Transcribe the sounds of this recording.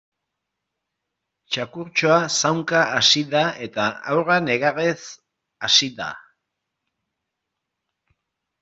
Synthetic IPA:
t͡ʃakuɾt͡ʃoasawŋkaʔasiðae̞t̪aa̰wrane̞ɣares | asid̪a̰

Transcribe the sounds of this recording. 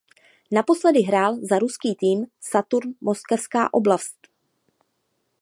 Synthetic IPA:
napo̞slɛdɪɦɾaːlzaɾuskiːt̪iːmsat̪uɾnmo̞skɛfska̰ːʔo̞blast̪

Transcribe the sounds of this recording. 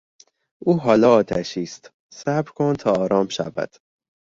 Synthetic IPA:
ʔuːɦɒːlɒːɒːt̪ʰæʃiːst̪ | sæbɾkʰont̪ʰɒːɾɒːmʃæ̰væ̰d̪̥

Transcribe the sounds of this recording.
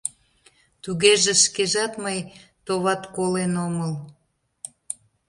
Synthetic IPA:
t̪uɣeʒeʃkeʒɑt̪məjt̪oβɑt̪kolenoməl

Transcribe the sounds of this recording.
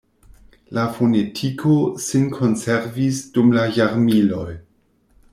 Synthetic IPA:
lafonetʰikʰosinkʰo̞nseɾvisd̥umlajaɾmilo̞j

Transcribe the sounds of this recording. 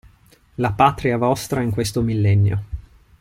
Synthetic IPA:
lapat̪ɾiavɔst̪ɾaiŋkwest̪omilːɛnːjo̰

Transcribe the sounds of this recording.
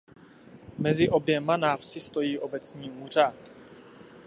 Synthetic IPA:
mɛzɪʔo̞bjɛmanaːfsɪst̪o̞jiːʔo̞bɛt͡sɲiːuːr̝at̪

